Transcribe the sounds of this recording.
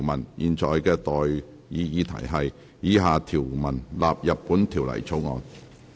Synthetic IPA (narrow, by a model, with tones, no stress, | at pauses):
wmɐ˨˩njʔiː˨nt͡ʃʰɔː˨jkɛː˧t̪ɔː˨j | jiː˨˧jiː˨˥t̪ʰɐ̰˨˩jɦɐ˨j | jiː˨˥ɦaː˨t̪ʰiː˨˩wmɐ˨˩nlaː˨p̚jɐ˨p̚pːuː˨˥nt̪ʰiː˨˩wlɐ̰˨˩jt͡sʰo˨˥wŋɔ̰ː˨˧n